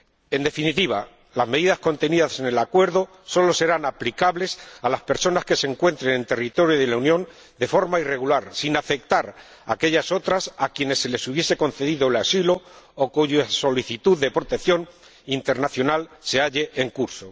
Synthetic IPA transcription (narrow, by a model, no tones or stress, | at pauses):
e̞nd̪e̞finit̪iβ̞a | lazme̞ðiðasko̞nt̪e̞niðase̞ne̞lakwe̞ɾðo | so̞lo̞se̞ɾanaplikaβle̞salaspe̞ɾso̞naske̞se̞ŋkwe̞nt̪ɾe̞ne̞nt̪e̞rit̪o̞ɾjoðelaunjõ̞n | d̪e̞fo̞ɾmaire̞ɣ̞ulaɾsinafe̞k̚t̪aɾ | ake̞ʎaso̞t̪ɾasakje̞ne̞sːe̞le̞suβje̞se̞ko̞nθe̞ðiðoelasilo̞ːkuʝaso̞liθit̪uðe̞pɾo̞t̪e̞kθjo̞n | int̪e̞ɾnaθjo̞nalse̞aʎe̞ʔeŋkuɾso̞